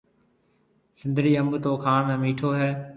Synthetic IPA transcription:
sɪ̃nd̪ʱɽiːəmbt̪oːkʰaːɳɛ̃ːmiːʈʰoːɦɛː

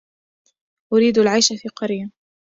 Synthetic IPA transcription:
ʔʊɾiːd̪alʕajʃafiːqɑɾja

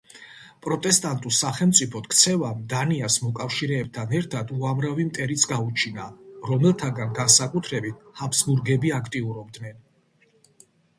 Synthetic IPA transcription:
pʼɾɔt̪ʼɛst̪ʼant̪ʼusaχɛlmt̪sʼipʰɔt̪kʰt̪sʰɛvamd̪aniasmɔkʼafʃiɾɛːb̚t̪ʰanɛɾt̪ʰad̪uamɾavimt̪ʼɛɾit̪sʰɡaut͡ʃʰinaɾɔmɛlˠt̪ʰaɡanɡansakʼut̪ʰɾɛbit̪̚ʰhapʰsɡuɾɡɛbiakʰt̪ʼiuɾɔb̚d̪nɛn

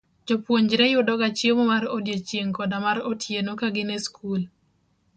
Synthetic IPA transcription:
d͡ʒɔpwoɲd͡ʒɾɛjʊdɔɡat͡ʃjemomaɾodjet͡ʃjeŋkɔdamaɾotʰjenokaɡɪnɛskʰul

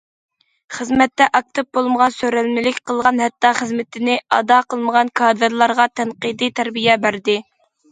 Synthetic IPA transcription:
χəzmɛt̪ːɛʔɑk̚t̪ʰɨp̚bolˠməʁɑnsøɾælmɪlɪkʲqʰəlˠʁɑnɦɛt̪ːɑχəzmɪt̪ʰɪnɪɑ̰d̪ɑqʰəlˠməʁɑnkʰɑd̪ɨɾlˠɑɾʁɑt̪ʰɛnqid̪ɨt̪ʰæɾbijɛbæɾd̪ɪ

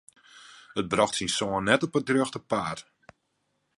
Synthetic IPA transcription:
ət̚brɔxtsinsoənɛtopədrøxtəpaːr

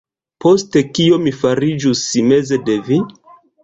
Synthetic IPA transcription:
po̞ste̞kio̞mifaɾid͡ʒusːime̞zede̞vi

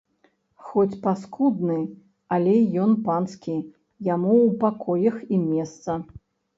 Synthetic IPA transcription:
xɔt͡sʲpaskud̪nɨ | alʲɛjɔnpanskʲi | jamuːpakɔjɐximʲɛst̪sɐ

